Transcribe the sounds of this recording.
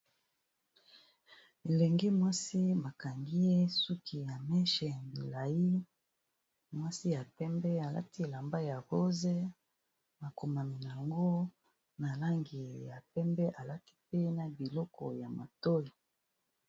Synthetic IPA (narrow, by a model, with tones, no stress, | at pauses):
e˨le˨ŋɡi˦mwa˦si˦ba˨ka˨ŋɡi˦je˦su˦ki˨ja˨mɛ˦ʃɛ˨ja˨bi˨la˨ji˦ | mwa˦si˦ja˨pɛ˦mbɛ˦a˨la̰˦ti˦˨la˨mba˦ja˨ɣo˦ze˦ | ma˨ko˨ma˨mi˨na˨ŋɡo˦ | na˨la˦ŋɡi˨ja˨pɛ˦mbɛ˦ʔa˨la˦ti̥˦pe˦na˨bi˨lɔ˦kɔ˨ja˨ma˨to˦ji˨